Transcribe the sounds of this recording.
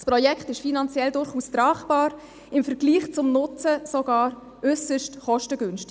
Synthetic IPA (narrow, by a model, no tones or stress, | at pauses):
spɾɔjɛkχtɪʃfinɑnt͡sjɛldʊɾχuːst̪ɾɑːχb̥ɑːɾ | ɪmfəɾɡ̥liːχt͡sʊmnʊt͡səsoɡ̥ɑːɾ | ʏsəʃtχɔʃtəɡʏnʃtɪ̥